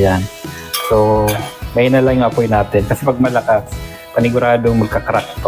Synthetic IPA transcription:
jan | somɐjnɐlajʊŋʔɐpojnaːt̪ɪnkɐsɛpɐɡ̚mɐlɐkas | pɐnɪɡʊɾaːd̪oŋmɐɡ̚kakɐɾak̚t̪o

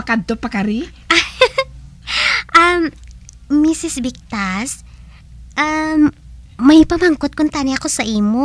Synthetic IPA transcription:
ɐkaopɐkaɾi | ʔɐ | ʔɐmː | isɪsbɪk̚t̪as | ʔa | ɐjpɐmɐŋkot̪̚kʊnt̪aːnɪɐkosɐʔiːmo

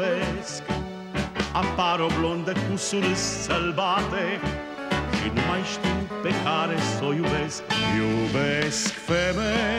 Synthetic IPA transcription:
ɛsk | apːaɾɔblɔnd̪ekusunisːalbaːt̪e | ʃḭnumajʃt̪upekʰaːɾesɔjubɛskjubɛskfɛme

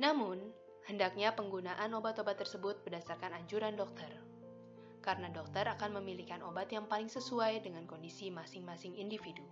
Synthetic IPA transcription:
namʊn | həndak̚ɲapəŋɡunaʔanobat̪obat̪ːərsəbʊt̪̚bərdasarkanaɲt͡ʃuɾandɔk̚t̪ər | kaɾənadɔk̚t̪əɾakanməmilikanobat̪jaŋpalɪŋsəsuajdəŋankɔndisimasɪŋmasɪŋindifidu

